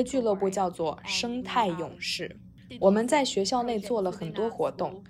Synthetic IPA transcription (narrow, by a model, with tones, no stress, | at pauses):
t͡ɕy˥˧lɤ˥˧pu˥˧t͡ɕjɑ˥˧ʊt͡swɔ˥˩ʂɤ˥ŋt̪ʰa˥˩ɪjʊ˨˩ŋʂɻ̩˥˩ | wɔ˨˩mə˦nt͡sa˥˩ɪɕɥɛ˧˥ɕjɑ˥˧ʊne˥˧ɪt͡swɔ˥˩lə˩xə˨˩nt̪wɔ˥xwɔ˧˥t̪ʊ˥˩ŋ